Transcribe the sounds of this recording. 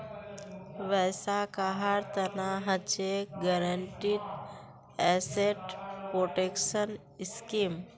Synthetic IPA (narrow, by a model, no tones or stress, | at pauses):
ʋɛːsakaɦaɾt̪ənaɦət͡ʃeɡəɾəɳʈit̪ | ɛseʈpɾoːʈekʃən | skiːm